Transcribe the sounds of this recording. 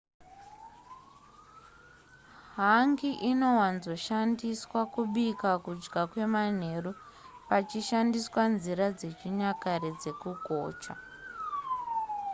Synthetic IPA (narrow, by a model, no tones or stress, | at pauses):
ɦaŋɡiʔino̞wanzo̞ʃandiswakuɓikakud͡ʒɡakwe̞man̤e̞ru | pat͡ʃiʃandiswanziɾad͡ze̞t͡ʃiɲakaɾed͡ze̞kuɡʱoːt͡ʃa